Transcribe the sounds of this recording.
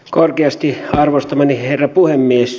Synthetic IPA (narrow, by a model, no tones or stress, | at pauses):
korkeɑst̪iɑrʋost̪ɑmɑniherːɑpuhemːies